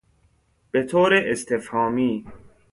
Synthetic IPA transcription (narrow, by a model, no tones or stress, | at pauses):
b̥et̪ʰoːɾeʔest̪ʰefhɒːmiː